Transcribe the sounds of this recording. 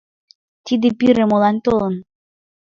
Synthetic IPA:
t̪id̪ĕpiɾĕmolˠɑnt̪olɤ̆n

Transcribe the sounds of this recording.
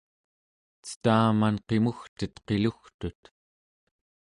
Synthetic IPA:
t͡sə̥t̪aːmanqe̞muxt̪ət̪qe̞luxt̪ut̪

